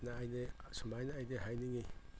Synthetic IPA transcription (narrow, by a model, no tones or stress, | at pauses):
naːjnesumajnaːjdeɦajniŋej